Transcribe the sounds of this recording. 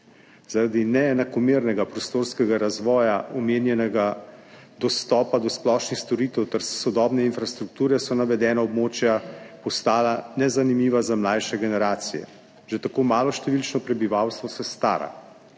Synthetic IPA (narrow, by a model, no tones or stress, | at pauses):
z̥aɾad̪inɛːnakɔmiːɾnɛɡapɾɔst̪oːɾskɛɡaɾazʋɔːjaʔɔmeːnjɛnɛɡa | d̪ɔst̪ɔːpad̪ɔsplɔʃnixst̪ɔɾiːt̪ɛwt̪ɛɾsɔd̪ɔːbnɛinfɾast̪ɾuk̚t̪uːɾɛsɔnaʋɛd̪ɛːnaɔbmoːt͡ʃjapɔst̪aːlanɛzanimiːʋazamlajʃɛɡɛnɛɾaːt̪sijɛ̰ | ʒ̥et̪akoːmaːlɔʃt̪ɛʋilt͡ʃnɔpɾɛbiʋawst̪ʋɔsɛst̪a̰ːɾa̰